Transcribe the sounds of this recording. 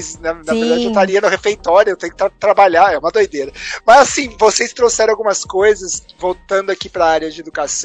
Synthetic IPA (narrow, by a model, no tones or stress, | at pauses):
snɛnaveɾɾd̪ad͡ʒɪewt̪aɾiɐnʊhefejt̪ɔɾjʊewt̪ẽjʊkɪt̪at̪ɾabaʎaɛũmɐd̪ojd̪eɾɐmɐzasĩvosejst̪ɾosɛɾ̃awɡũmɐskojzɐs | vowt̪ɐ̃nd̪ʊakipɾɐaɾjɐd͡ʒɪed̪ukas